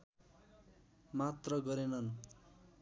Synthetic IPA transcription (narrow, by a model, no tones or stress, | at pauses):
mat̪rʌɡʌɾenʌn